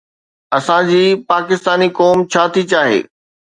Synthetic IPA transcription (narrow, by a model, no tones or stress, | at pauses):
ɐsãd͡ʑiːpaːkɪst̪aːnikɔːmt͡ɕʰaːt̪ʰit͡ɕaːɦḛː